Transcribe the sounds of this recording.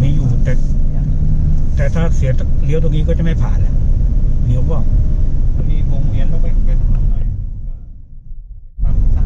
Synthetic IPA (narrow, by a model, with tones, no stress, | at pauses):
miː˧˥˩juː˨˩t̪ɛː˨˩ | t̪ɛː˨˩t̪ʰaː˥˩sa˧˩si˨˦ɐta˧˩li˨˦t̪o˧ŋniː˦˥kɔː˥˩t͡ɕa˨˩ma˥˩jpʰaː˨˩na˧˩li˨˦wkɔː˥˩a˧˩miː˧ɾoː˧ŋ˧i˧ənlɛː˧˥˩kɔː˥˩˨pe˧n˧na˧˩a˧˩˧ | a˧˩˧